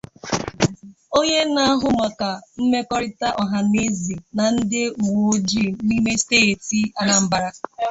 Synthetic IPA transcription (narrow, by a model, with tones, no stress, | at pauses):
o˦ɲe˦na˦a˦ɦʊ˦ma˨ka˨m̩˦me˦kɔ˦ɾɪ˦ta˦ʔɔ˨ɦa˨ne˦zi˨na˨n̩˦dɪ˦u˨wo˨˦d͡ʒi˦˨ni˦me˦steː˦˨ti˦a˨na˨m̩˦ba˦ɾa˦